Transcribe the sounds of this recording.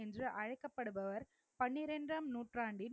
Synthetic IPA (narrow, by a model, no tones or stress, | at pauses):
ɛndrɯʔɐɻɐɪkːɐpːɐɽɯbɐʋɐɾ | pɐnːɪɾɛndrɐmnuːʈraːɳɖɪ